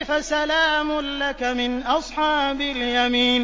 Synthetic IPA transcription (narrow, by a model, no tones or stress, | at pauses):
fasalaːmʊnlakamɪnʔɑsˤħɑːbaljamiːn